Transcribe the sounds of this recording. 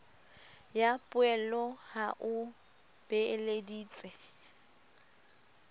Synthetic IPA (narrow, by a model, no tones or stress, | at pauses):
japʼʊɛlɔhaʔʊ | b̥ɛlediːt͡sʼɛ